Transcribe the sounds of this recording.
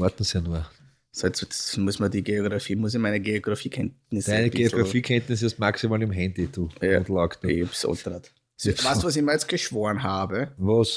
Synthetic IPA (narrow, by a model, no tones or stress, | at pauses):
ɔɐt̪n̩sanuɐ | sɛsɛmusmɐdiɡeoɡɾafiːmʊəs̬ɪmæɪnəɡeoɡ̥ʁafiːkʰɛntnɪsd̪ɪnəɡeoʁafiːkʰɛnt̪nɪs̬ɔstmaksimaːlɪmɦɛndid̪̥uaʊ̃t̪lɔkt̪ḛbso̰nt̪əɾat̪ | svaːstuɔs̬ɪçmɐjɛt͡st̚ɡ̥əʃv̥oːɐnɦaːbəvos